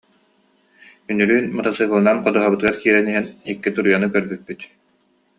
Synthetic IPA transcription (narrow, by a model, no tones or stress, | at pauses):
ynyɾyːnmat̪asɯːɦulˠnanqɔd̪uɦabɯt̪ɯɡaɾkiːɾɛniɦɛnikːit̪uɾujɔnɯkœɾbyk̚pːyt̪